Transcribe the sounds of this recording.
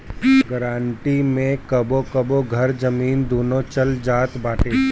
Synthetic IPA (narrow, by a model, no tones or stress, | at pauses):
ɡəɾaːɳʈimẽkɐbokɐboɡʱɐɾd͡ʒɐmiːnd̪oːnot͡ʃɐld͡ʒaːt̪baːʈeː